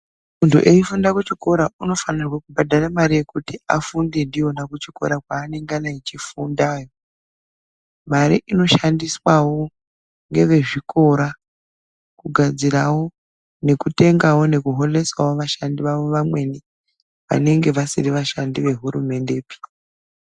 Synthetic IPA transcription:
muntʰṵʔeifundakut͡ʃiko̞ɾauno̞fanirwakubʱadʱaramaɾije̞kutia̰fundendio̞nakut͡ʃiko̞̰ɾakwaːne̞ŋɡanait͡ʃifundaːjo | maɾḭʔino̞ʃandiswawo̞ | ŋɡe̞ʋe̞ʐikʰo̞ɾa | kuɡʱad͡zirawo̞ | ne̞kute̞ŋɡawo̞ne̞kuɦo̞le̞swawoʋaʃandiʋaʋo̞ʋamwe̞ni | ʋa̰ne̞ŋɡe̞ʋasiriʋaʃandiʋe̞ɦuɾume̞nde̞ːpi̥

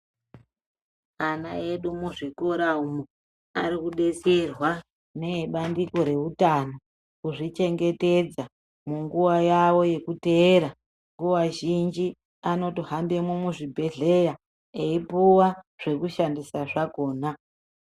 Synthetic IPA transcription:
ana̰e̞ɗumuʐiko̞ɾaumu | aɾikuɗe̞serwa | ne̞ɓandiko̞ɾe̞utano | kuʐit͡ʃe̞ŋɡe̞te̞d͡za | muŋɡuwajawo̞je̞kute̞ːɾa | ŋɡuwaʒind͡ʒi | ano̞tiɦambemwemuʐibʱe̞ɮe̞ja | eipuwa | ʐ̥e̞kuʃandisaʐako̞ːna

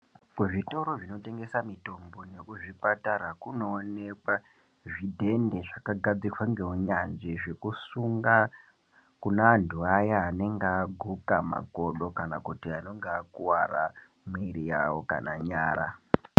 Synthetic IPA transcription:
kuʐito̞ɾo̞ʐino̞te̞ŋɡe̞samito̞mbo̞ne̞kuʐipataɾakuno̞ːne̞kwa | ʐidʱe̞nde̞ʐakaɡʱad͡zikwaŋɡe̞ɦuɲanʐiʐekusuŋɡa | kunandʱuajaːne̞ŋɡaɡʱukama̰ko̞ɗo̞kanakutiano̞ŋɡeakuwara | miɾija̰woka̰naɲaːɾa̰

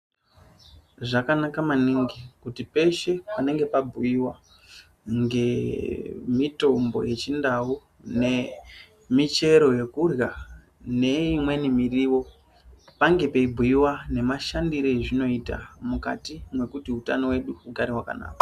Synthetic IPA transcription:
ʐakanakamaniːŋɡikutipe̞ʃe̞pane̞ŋɡe̞pabʱuiwa | ŋɡe̞ | mito̞mbo̞̰je̞t͡ʃindawu | ne̞ | mit͡ʃe̞ɾo̞je̞kurja | ne̞imwe̞nimiriːwo̞ | paŋɡe̞peibʱuiwane̞maʃandiɾo̞eʐino̞ita̰mukatimwe̞kutiutanowe̞ɗuuɡʱaɾiwaka̰na̰ːkḁ

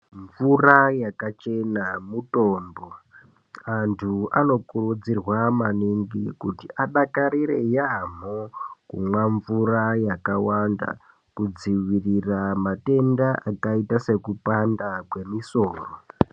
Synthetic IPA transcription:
ɱvurajakat͡ʃe̞namuto̞ːmbo̞ | antʰuano̞kurud͡zirwamaniŋɡikutiʔaɗakaɾiɾe̞jam̤okṵmwaɱvurajakawanda̰ | kud͡ziʋiriramate̞ndaʔakaitase̞kupandakwe̞miso̞ːro

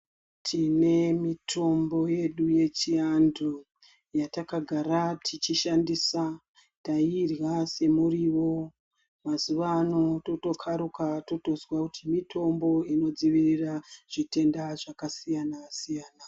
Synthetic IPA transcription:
tʰine̞mitʰo̞mbo̞je̞ɗuje̞t͡ʃiando | jatakaɡʱaɾatʰit͡ʃiʃandisa | tairɣase̞muriwo̞ | mazuʋaːno̞to̞to̞kʰaɾukato̞to̞zwakutʰimitʰo̞mbo̞ino̞d͡ziʋiriraʐ̥ite̞ndaʐakasijanasijaːna

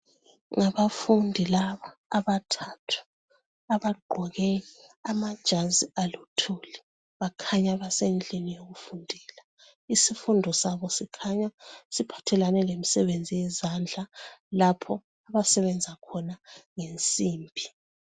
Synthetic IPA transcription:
ŋaβafundʱilaβaːβatʰatʰu̥ | aβaɡ͡ǃʱɔɣɛamad̥ʒ̥ʱazialutʰuːli | βakʰaɲaβasend͡ɮʼinijoɣufundʱiːla | isifundʱɔsaβɔsikʰaɲasipʰḁtʰɛlanɛlemisɛβend͡zʱijɛzand͡ɮʱalapʰɔ | aβasɛβɛnd͡zʱakʰɔnaŋent͡sʼiːmbʱi

